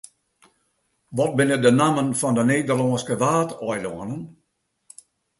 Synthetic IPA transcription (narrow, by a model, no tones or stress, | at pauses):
ʋɔt̚bɪnədənaːmənfɔndəneːdərlɔːskəʋaːtɔjlɔənən